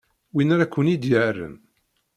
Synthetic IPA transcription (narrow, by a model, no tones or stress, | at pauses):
winaɾakʷːənid̪jərːə̰n